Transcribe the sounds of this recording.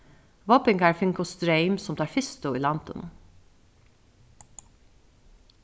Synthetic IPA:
ʋoːpɪŋɡæːɹfɪŋkʊst̪ɾeɪmsɔmt̪ɑːɹfɪst̪ʊḭːlɑnt̪ʰə̰nə

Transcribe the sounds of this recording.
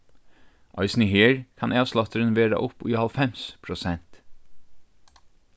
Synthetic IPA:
ʔɑ̰ɪsnɪheːɹkʰɑnʔeːɑʋslɑt̪əɾənʋeːɾɑ̰ʔʊpiːhɑlfɛmspʰɾʊsɛnt̪

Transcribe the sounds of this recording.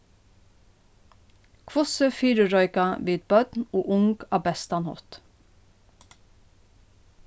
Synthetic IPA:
kʰʋɔsəfiːɾəɹɔʏkɑʋiːd̪̚bœd̪noːʔʊŋɡɑːbɛst̪ɑnhɔ̰t̪

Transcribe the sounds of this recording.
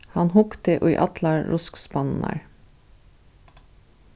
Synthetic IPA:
hɑnhʊkt̪əʔo̰ːḭːʔɑt̪lɑɹɹʔʊskspɑnn̩æ̰ːɹ

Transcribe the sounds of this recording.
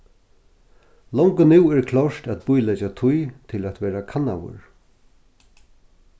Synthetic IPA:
lɔŋkənɪwɛɹkʰlɔʂt̪æt̪̚bʊjlɛt͡ʃat̪ʰʊjt̪ʰɪlæt̪ʋɛːɾakʰanːa̰wʊ̰ɹ

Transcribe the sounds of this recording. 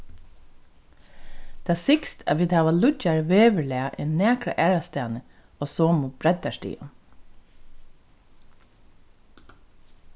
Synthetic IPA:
t̪ʰːaːsɪkst̪ʰa̰ʋiːd̪haːʋalʊcaɹʋeːʋəlɛːaʔɛnæːkɹa̰ʔæːɹast̪ɛːnə | oːsoːmubɾɛt̪ːaʂtḭːʊ̰n

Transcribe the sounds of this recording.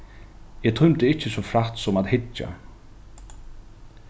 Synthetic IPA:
ɛt̪ʰʊjmt̪ɪɪht͡ʃːɪsɔfɾaht̪sɔmat̪hɪt͡ʃːa̰

